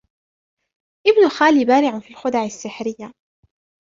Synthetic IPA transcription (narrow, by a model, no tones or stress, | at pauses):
ʔɪbnʊlxaːliːbaːɾɪʕʊfiːlxʊd̪aʕasːɪħɾɪjːa